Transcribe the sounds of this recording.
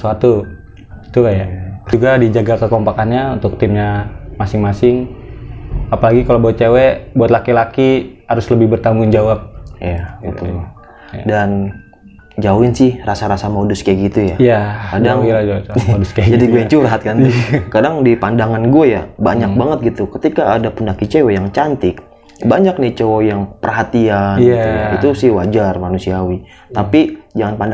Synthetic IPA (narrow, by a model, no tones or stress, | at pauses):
suat̪u | i̥t̪ukajauɡadid͡ʒaɡakəkɔmpakanɲaunt̪ʊk̚t̪ɪmɲamasɪŋmasɪŋ | apalaɡikalobuat̪̚t͡ʃewebuat̪lakilakihaɾʊsləbɪhbərt̪aŋɡʊŋd͡ʒawap̚ḭjaɡit̪ʊ | a̰dan | d͡ʒauɪnsɪhrasaɾasamoduskaɡit̪ujajakadaŋ | skd͡ʒadiɡuajaŋt͡ʃuɾɦat̪̚kant̪ikadaŋdipandaŋanɡuaja̰baɲak̚baŋət̪̚ɡit̪ukət̪ikaːdapəndakit͡ʃewɛjaŋt͡ʃant̪ɪk̚ | baɲak̚nɪt͡ʃowojaŋpərɦat̪ianujait̪usɪhwad͡ʒarmanusiawi | t̪apid͡ʒaŋanpand